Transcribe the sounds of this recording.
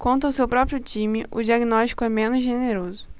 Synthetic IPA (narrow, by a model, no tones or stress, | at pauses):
kwɐ̃nt̪ʊawsewpɾɔpɾjʊt͡ʃĩmɪʔʊ̰d͡ʒiaɡinɔʃt͡ʃi̥kʊɛmẽnʊzʒeneɾozʊ